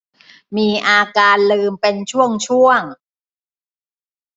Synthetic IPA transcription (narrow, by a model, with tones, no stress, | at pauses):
miː˧ʔaː˧kaː˧nlɯː˧mpe˧nt͡ɕʰu˥˩əŋt͡ɕʰu˥˩əŋ